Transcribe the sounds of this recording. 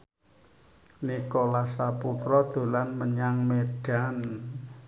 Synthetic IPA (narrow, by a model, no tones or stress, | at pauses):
nikɔlasaput̪ɾɔd̪̥o̤lanməɲaŋmeɖ̥a̤n